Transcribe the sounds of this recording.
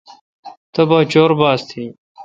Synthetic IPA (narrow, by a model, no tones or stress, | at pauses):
t̪ɐbɐt͡ɕoːɾbaːst̪ʰi